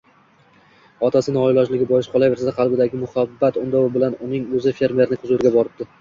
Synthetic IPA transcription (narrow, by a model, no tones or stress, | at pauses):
ɒt̪ʰasɪnɪɒjlɒd͡ʒlɪɡʲɪbɒjɪʃqʰɒlˠajve̞ɾsad̪aqʰɑlˠbɪd̪aɡʲɪmʊhabːat̪ʊnd̪ɒwɪbɪlanʊnɪŋɵzɪfe̞ɾmʲe̞ɾnɪqʰʊzʊɾɡʲabɒɾɪb̚d̪̥ɪ